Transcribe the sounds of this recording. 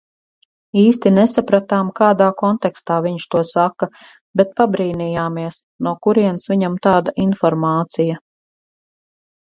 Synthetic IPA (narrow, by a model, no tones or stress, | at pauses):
iːst̪inɛsapɾat̪aːmkaːd̪aːkɔnt̪ɛkst̪aːviɲʃt̪uɔsaka | bɛt̪̚pabɾiːnijaːmiɛs | nuɔkuɾiɛnsʋiɲamt̪aːd̪aʔinfɔɾmaːt̪sija